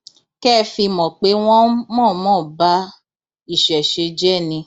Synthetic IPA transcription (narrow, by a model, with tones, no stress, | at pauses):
kɛː˦˧fi˧mɔ̃˨k͡pe˨˦w̃ɔ̃˦mɔ̃ː˦˨mɔ̃ː˦˨ba˦ | i˦˨ʃɛ˨ʃe˧d͡ʒɛ˦˨nĩ˧